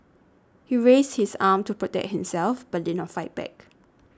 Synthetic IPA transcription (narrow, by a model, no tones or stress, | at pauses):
hiɹest̚hisãmtupɹɔtɛ̰k̚t̚hĩmsɛlfb̥ədɛ̃nɔfaɪt̚b̥ɛ̰k